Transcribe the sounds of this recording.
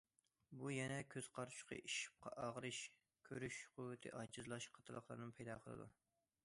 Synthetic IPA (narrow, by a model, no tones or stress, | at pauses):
bujɛnɛkʲʰøz̥qʰɑɾʰu̥ʃqʰə̰ʔiʃi̥p̚qʰɑʔɑʁɾɨʃ | kʲʰøɾyʃqʰuwɪt̪ʰɨ̰ʔɑt͡ʃʰɨzlˠɑʃqʰɑ̥t̪ʰɨlˠəχlˠɑ̰ɾnɨnpʰɛjd̪ɑqʰəlˠɨ̰d̪ṵ